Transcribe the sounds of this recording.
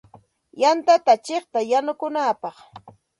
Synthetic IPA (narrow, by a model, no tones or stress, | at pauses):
jant̪at̪at͡ʃeχt̪ajanʊkʊnapɑχ